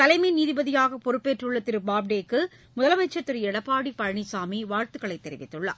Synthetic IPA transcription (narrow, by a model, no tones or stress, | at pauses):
t̪ɐlɐɪmɐniːðɪbɐðɪjaːɣɐpɔɾɯpːeːʈrɯɭːɐt̪ːɪɾɯbaːb̚ɖeːkːɯ | mʊðɐlɐmɐɪt͡ʃːɐt̪ːɯɾɯɛɽɐpːaːɽipɐɻɐɳisaːmiʋaːɻt̪ɯɣɐɭɐɪt̪ːɛɾɪʋɪt̪ːɯɭːɐ̰